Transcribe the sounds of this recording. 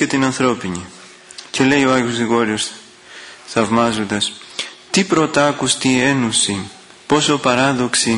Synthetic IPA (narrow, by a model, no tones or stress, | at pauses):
et̪inɐnθɾo̞piɲi | ce̞le̞joɐjozɣiɣo̞ɾio̞s | θɐvmɐzo̞nd̪ɐst̪ipɾo̞t̪ɐkust̪ie̞nusi | po̞sopɐɾɐðo̞ksi